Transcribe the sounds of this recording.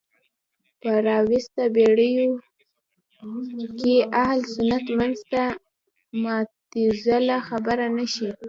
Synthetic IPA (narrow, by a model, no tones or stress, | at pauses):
pəɾɑwɪst̪abeɽəjo | keʔahlsʊnat̪manzt̪a | mɑt̪izalaxabəɾanaʃi